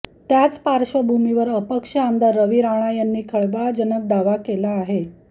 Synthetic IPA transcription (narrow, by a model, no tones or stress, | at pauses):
t̪jat͡spaɾʂəbʱumiʋəɾəpəkʂəamd̪aɾːəʋiːɾaɽ̃ajanːiːkʰəɭbɭad͡ʑənək̚d̪aʋakelaːɦe